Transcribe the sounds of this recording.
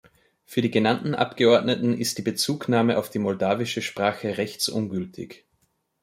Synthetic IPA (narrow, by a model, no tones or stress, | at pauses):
fyːɐdiːɡənantn̩ʔa̰pɡ̥əɔɐdnətn̩ɪstd̥iːbət͡suːknaːməʔaʊfd̥iːmɔldaːvɪʃəʃpʁ̥aːxəʁɛçt͡sʔʊ̰nɡʏltʰɪ̰ç